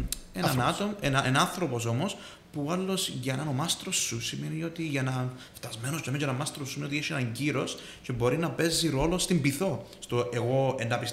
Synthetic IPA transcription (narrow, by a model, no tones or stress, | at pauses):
enɐnɐt̪oenɐnɐnθɾo̞po̞s̬o̞mo̞s | puɐlːo̞sʝɐnɐnomɐst̪ɾosːusimenio̞t̪iʝɐnɐft̪ɐzme̞nosomeɲɟɐnɐmɐst̪ɾossːimeiot̪ieʃienɐɲɟiɾo̞s | cebo̞ɾinɐpe̞zːiɾo̞lo̞st̪imbiθo̞st̪o̞eɣo̞enːɐpis